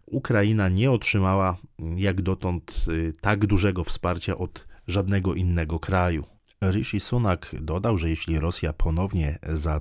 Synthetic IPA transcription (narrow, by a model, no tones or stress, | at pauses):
ukɾajinaɲɛɔtʂɘmawajaɡd̪ɔt̪ɔnt̪t̪aɡd̪uʐɛɡɔfspaɾt͡ɕaʔɔt̪ʐad̪nɛɡɔʔinːɛɡɔkɾajṵ | ɾɘʃisunakd̪ɔd̪awʐɛjɛɕlʲiɾɔsʲjapʰɔnɔvɲɛza